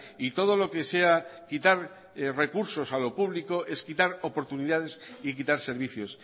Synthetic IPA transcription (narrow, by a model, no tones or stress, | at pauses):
it̪o̞ð̞o̞lo̞ke̞se̞akit̪aɾ | re̞kuɾso̞salo̞puβliko̞ʔe̞skit̪aɾopo̞ɾt̪uniðað̞e̞sik̬it̪aɾse̞ɾβ̞iθjo̞s